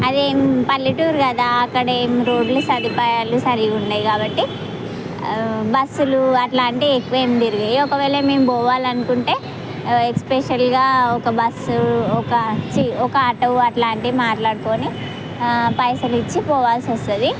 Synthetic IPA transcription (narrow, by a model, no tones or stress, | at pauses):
ɐd̪eːmpɐlːiʈuːɾkɐd̪aːɐkːɐɽɐeːmɾoːɖlɐsɐd̪ipɾaːjaːlusɐɾiɡuɳɖaːjikaːbɐʈːi | bɐsːuluɐʈlaːɳʈiekuʋeːmd̪iɾuɡejiɔkɐʋɛːlɐmeːmpɔːʋaːlɐnukuɳʈe̞ː | ekspeʃɐlɡaːɔkɐbɐsɔkɐt͡ʃiɔkɐɐʈɐʋɐʈlaːɳʈimaːʈlaːɽko̞ːni | pɐjsɐlit͡ʃːipɔːʋaːlsɐst̪ud̪i